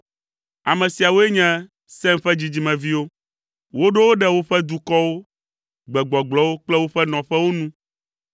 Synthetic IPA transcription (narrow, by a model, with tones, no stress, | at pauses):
a˨mɛ̃˨si˨a˨wo˦e˦ɲɛ̃˦ | sɛ̃˦mɸɛ˦d͡ʑi˨d͡ʑi˨mɛ̃˨vi˦wo˦ | wo˦ɖe˦wo˦ɖɛ˦wo˦ɸɛ˦d̪u˦kɔ˦wo˦ | ɡ͡bɛ˨ɡ͡bɔ˨ɡ͡blɔ˦wo˦k͡plɛ˦wo˦ɸɛ˦nɔ̃˨ɸɛ˦wo˦nũ˦